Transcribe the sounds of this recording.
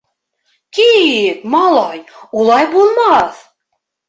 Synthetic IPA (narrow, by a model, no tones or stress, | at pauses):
kijet̪mɑlˠɑjulˠɑjbolˠmɑθ